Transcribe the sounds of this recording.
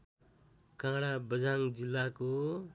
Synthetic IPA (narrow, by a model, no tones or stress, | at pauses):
kãɽabəd͡zaŋd͡zilːako